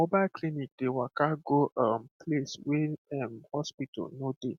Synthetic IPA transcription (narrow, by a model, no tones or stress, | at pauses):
mobalklinik̚dewakaɡoʔam̩pʰlesweɛmhɔspitɔ̰lnode